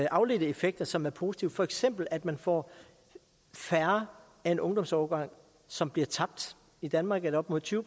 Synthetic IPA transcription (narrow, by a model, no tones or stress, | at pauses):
ʔɑ̈ʊle̝d̥əe̝feɡ̥̚d̥ɐsɒ̽mæɐpʰo̝ːsi̥t͡sʰiʊfɒ̽eɡ̥sem̰b̥l̩æd̥mænfɒ̰ː | fæɐ | æe̝nʔɔ̽ŋd̥ɒ̽msɒːɡ̥ɑ̈ŋ̰ | sɒ̽mb̥liɐt͡sʰɑ̈b̥̚d̥ | id̥ænmɑ̈ːɡ̥ædɐɒ̽b̥mo̝ð̰ˠt͡sʰyːʊbʰ